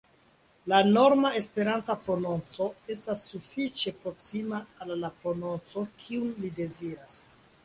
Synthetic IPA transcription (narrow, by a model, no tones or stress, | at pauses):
lano̞ɾmae̞spe̞ɾantapɾo̞no̞nt͡so̞e̞stasːufit͡ʃe̞pɾo̞ksimaːlːapɾo̞no̞nt͡so̞kʰiunlide̞ziɾas